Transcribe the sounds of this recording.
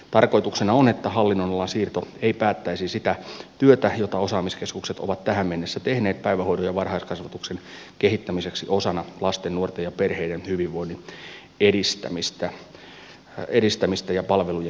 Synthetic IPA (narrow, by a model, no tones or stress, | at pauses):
t̪ɑrkoit̪uksenɑonet̪ːæhɑlːinːonolːɑnsiːrt̪oeipæːt̪ːæisisit̪æt̪yøt̪æjot̪ɑosɑːmiskeskukset̪o̰ʋɑt̪t̪æhæmmenːesːæt̪ehne̞ːt̪̚pæiʋæhoiɾojɑʋɑrhɑiskɑsʋɑt̪uksen | kehit̪ːæmiseksiʔo̞sɑnɑlɑst̪enːuort̪ejɑperheidenhyʋiʋʋoinːi | edist̪æ̰mist̪æ | edist̪æmist̪æjɑpɑlʋeluje